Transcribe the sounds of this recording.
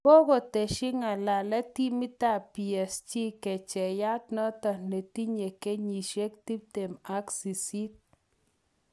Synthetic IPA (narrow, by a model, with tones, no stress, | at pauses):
ko˦ko˨te˨ʃɪ˦ŋa˨la˨lɛ˦ti˦mi˦ta˦˨pi˨ɛ˨st͡ʃi˦kɛ˨t͡ʃɛ˨ja˦t̚nɔ˦tɔ˨ne˨ti˦ɲe˨ke˦ɲi˨ʃe˦k̚ti˦p̚te˨ma˦ksi˨si˦t̚